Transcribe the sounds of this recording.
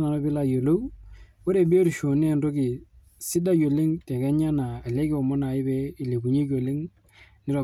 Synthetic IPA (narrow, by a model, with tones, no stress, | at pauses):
na˨nɔ˦bɪ˦la˦jo˨lo˦w | o˦ɾe˨be˦o˦ɾʃo˨nɛ˦˨ndo˦kɪ˨ | si˦da˦jo˨le˦ŋtɛ˨kɛ˦ɲa˦naː˨lɛ˦kɪ˦ɔ˨mɔ˦na˨ɪ˦bɛ˦i˨le˨bu˨ɲe˦ko˨le˦ŋ | nɪ˦ɾa˨